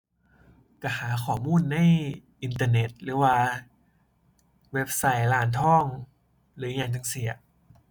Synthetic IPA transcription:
ka˧˩haː˩˦kʰɔː˨˩muː˥˨nːa˧˥˩jʔi˧nt̪̬aː˧ne˨˦˥t̪̚ɾɯː˨˦waː˧ | we˦˥p̚sa˦˥jlaː˨˩˦nt̪ʰɔ˥˩ŋ | lɯː˩˦jaː˧˩ŋt͡ɕa˧ŋsi˨˩˦ɐ˦

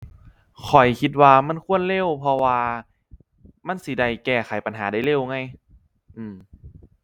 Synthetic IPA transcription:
kʰɔ˨˩jkʰi˧t̪̚waː˧ma˧˥˨nkʰu˧˥˨ənle˧˥˩wpʰɔ˧waː˧ | ma˧˥˨nsi˧˦da˧˩jkɛː˧˩xʰa˨˦jpa˧˨nɦaː˩˦da˧˩jle˧˩˨wŋa˧˥˨j | ʔɯː˧˩m

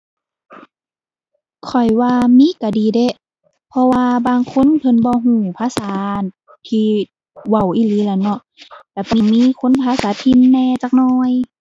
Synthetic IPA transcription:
kʰɔ˨˩jwaː˧miː˧˥˨ka˧˩diː˨˦de˧˦˨ | pʰɔ˧waː˧baː˧ŋkʰo˧˥˨npʰɤ˧˨nbɔː˧˦ɦũː˧˩pʰaː˧˥˨saː˨˦ | t̪ʰiː˧ | wa˧˩wʔiː˧˨liː˧˦la˧˩nɔ˧˨ʔ | lɛː˧˩pmiː˧˥˨kʰo˧˥˨npʰaː˧˥˨saː˨˦t̪ʰi˧˨nːɛː˧t͡ɕaː˧k̚nɔː˧j

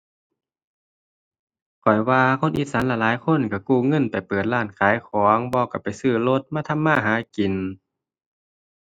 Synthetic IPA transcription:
kʰɔ˨˩jwaː˧kʰo˧˥˨nʔi˧˩t̪̚sa˨˦nlɛː˧˩laː˨˦jkʰo˧˥˨nka˧˩kuː˧˩˨ŋɤ˧˥˨npa˨˩jpɤː˨˩t̪̚laː˧˩nkʰaː˨˦jkʰɔː˨˦ŋbɔː˧ka˧˩pa˨˩jsɯː˧˩lo˧˥t̪̚maː˧˥˧t̪ʰa˧˥˨mːaː˧˥˨ɦaː˧˦ki˨˩n

